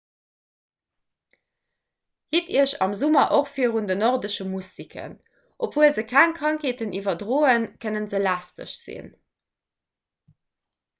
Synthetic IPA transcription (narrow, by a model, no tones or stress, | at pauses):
hitiəɕɑmzumɐʔoχfiːəʁundənoʁdəʃəmustikʰə̰n | ʔopv̥uəlzəkʰæŋkʁɑŋkʰeːtənivɐdʁoːənkʰənənzəlæːstə̰ʃz̥ḭn